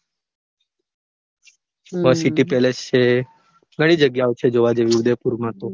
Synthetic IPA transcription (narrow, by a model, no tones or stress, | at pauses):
ʋəsiʈipelest͡ʃʰe | ɡʱəɽ̃ĩd͡ʒəɡjaot͡ʃʰed͡ʒoʋad͡ʒeʋiud̪epuɾmãt̪o